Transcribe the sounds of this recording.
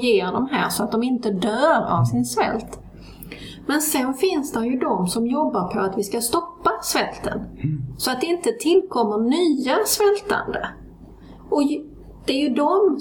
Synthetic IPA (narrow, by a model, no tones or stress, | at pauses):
jeːɖɔmɦæ̰ːɾsɔat̪̚d̪ɔmɪnt̪əd̪œːɾa̰vsɪnsvɛ̰lt̪ | mɛnsɛnfɪnsd̪æɾjɵd̪ɔmsɔmjɔbːaɾpʰɔat̪vɪskast̪ɔpːasvɛlt̪ə̰nsɔat̪̚d̪ɛɪnt̪ət̪ʰɪlːkʰɔmːənyːasvɛlt̪a̰nd̪ə̰ | ʔɔ | d̪̥ɛæɾjɵd̪ɔm